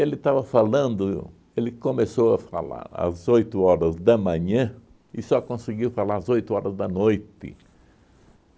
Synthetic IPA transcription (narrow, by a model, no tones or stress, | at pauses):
elɪt̪avɐfalɐ̃nd̪ʊ | elɪkõmesowɐfa̰la̰ɾɐ̰zojt̪ʊɔɾɐzd̪ɐmɐ̃ɲɐ̃ | ɪsɔkõsɪɡiwfalaɾɐzojt̪ʊɔɾɐzd̪ɐnojt̪ɪ̰